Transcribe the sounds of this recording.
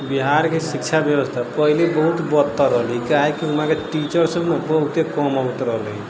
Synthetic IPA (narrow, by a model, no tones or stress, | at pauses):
biɦaɾkesik̚t͡ʃʰabjebəst̪ʰapəɦilebəɦut̪bɔt̪ːaɾəɦlikaɦekiɦumãkeʈit͡ʃəɾsəbnebəɦut̪ekɔmaut̪ɾəɦli